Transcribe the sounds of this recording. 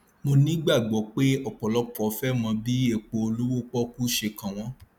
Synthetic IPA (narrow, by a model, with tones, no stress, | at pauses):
mo˧nĩ˦ɡ͡ba˦˨ɡ͡bɔ˨˦k͡pe˦ɔ˦˨k͡pɔ˨lɔ˦k͡pɔ˨˦fɛ˦mɔ̃˧bi˦e˦˨k͡po˧o˧lu˦wo˦k͡pɔ˦ku˦ʃe˧kã˨w̃ɔ̃˦